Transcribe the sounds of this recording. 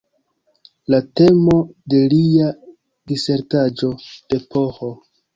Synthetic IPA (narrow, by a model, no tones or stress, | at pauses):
late̞mo̞de̞lia | dise̞ɾtad͡ʒo̞d̥e̞pʰo̞ho